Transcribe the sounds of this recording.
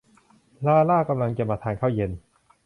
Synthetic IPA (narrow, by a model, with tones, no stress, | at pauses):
laː˦˥a˧laː˥˩ka˧mla˧ŋt͡ɕa˨maː˧t̪ʰaː˧nkʰaː˥˩wje˧n